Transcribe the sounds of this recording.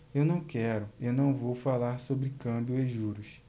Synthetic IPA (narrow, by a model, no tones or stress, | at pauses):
ewnɐ̃w̃kɛɾʊewnɐ̃w̃vowfalaɾsobɾɪkɐ̃bjʊeʒuɾʊs